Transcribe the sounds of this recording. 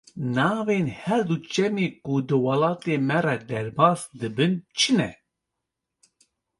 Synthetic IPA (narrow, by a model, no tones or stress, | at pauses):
nɑːveːnhɛɾd̪ut͡ʃɛmeːkud̪ɨwɑlɑːt̪eːmɛrɛd̪ɛɾbɑːsd̪ɨbɨnt͡ʃʰɨnɛ